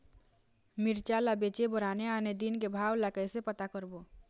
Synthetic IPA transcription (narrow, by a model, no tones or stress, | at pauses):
mɪɾt͡ʃalabet͡ʃebɔɾaːneaːned̪inkebʱaːwlakəsepət̪akəɾbo